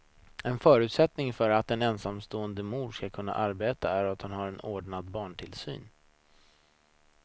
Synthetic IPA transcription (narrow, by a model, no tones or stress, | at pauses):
ɛnfœːɾʉ̟ːt̪sɛt̪nɪŋfœɾat̪ɛnɛnsamːst̪oːənd̪əmuːɖʂkakʰɵnːa̰ʔaɾbeːt̪a̰æɾat̪hanhaɾɛnoːɖɳad̪bɑːɳʈʰɪlsy̰ːn